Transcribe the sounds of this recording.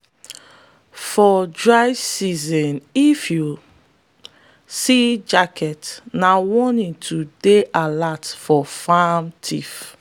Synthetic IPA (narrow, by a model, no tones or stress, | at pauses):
fɔdɹaɪsizɔ̃nifju | sid͡ʒakʰɛtnawɔnĩntʰudeʔalatfɔfamtʰif